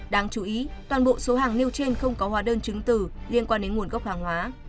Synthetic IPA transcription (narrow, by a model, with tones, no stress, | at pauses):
ɗaː˧ŋt͡ɕu˨˦ʔi˨˦t̪waː˨˩nɓo̰˧˨so˨˦ɦaː˨˩ŋni˧əwt͡ɕe˧nxə˧wŋ͡mkɔ˨˦hwaː˨˦ɗəː˧nt͡ɕɨ˨˦ŋt̪ɨ˧˩li˧ənkwaː˧nɗe˨˦nŋu˨˩ənɣə˦˥wk͡p̚haː˨˩ŋhwaː˨˦